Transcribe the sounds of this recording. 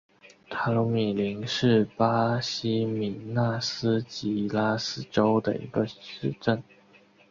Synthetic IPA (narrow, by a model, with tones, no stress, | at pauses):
t̪ʰa˥˧˥lu˧˥mi˨˩li˧˥ŋʂɻ̩˥˩pa˥ɕi˥mi˨˧˩na˥˩s̩˥t͡ɕi˧˥la˥sɹ̩˥ʈ͡ʂo˥ʊd̪ə̰˨ḭ˧˥ɡə˧ʂɻ̩˥˧ʈ͡ʂə˥˩n